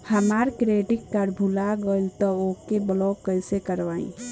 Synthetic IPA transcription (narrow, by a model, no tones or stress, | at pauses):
həmaːɾkɾeːʈɪkkaɾbʱʊlaɡolt̪ɔoːkebəlɔːkːəɪsekəɾʋaːḭ̃